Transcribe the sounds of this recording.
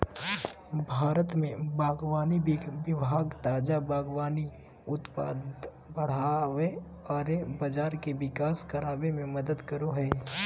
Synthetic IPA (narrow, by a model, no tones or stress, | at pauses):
bʱaːɾət̪mẽbaːɡwaːniʋɪbʱaːɡt̪aːd͡ʒabaːɡwaːni | ʊt̪paːd̪ | bəɽ̤aːʋe | ɔːɾebɐd͡ʒaːɾkeʋɪkaːskɐɾaːbemẽmɐd̪əd̪kɐɾoɦɛː